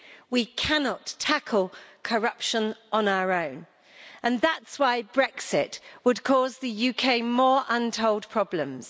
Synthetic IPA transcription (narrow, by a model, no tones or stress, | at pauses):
wikʰanɒtʰakʰəlˠkʰəɹʌpʃə̃nʔə̃naʊəɹə̃ʊ̃n | ʔə̃nðatswaɪbɹɛksɪʔwəd̚kʰɔːzðəjʉkʰeɪmɔːɹʔʌ̃ntʰoʊlˠd̚pʰɹ̥ɒblə̃mz̥